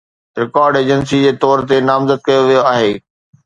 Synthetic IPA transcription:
ɾɪkaːɾɖeːd͡ʑənsid͡ʑeːt̪ɔːɾt̪enaːmzəd̪̚kɐjoʋijoaːɦeː

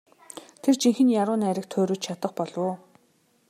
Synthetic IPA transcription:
t̪ʰert͡ɕiŋxɘ̆njaɾʊːnæɾʲɪ̆k̚t̪ʰʊːɾuːt͡ɕt͡ɕʰat̪ə̆qpɔɮʊː

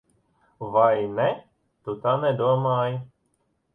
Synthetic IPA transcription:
ʋajnɛ | t̪ut̪anɛd̪ɔmaj

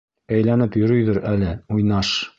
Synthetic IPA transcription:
æjlænɘpjɵ̆ɾɵjðɘɾælɘujnɑʃ

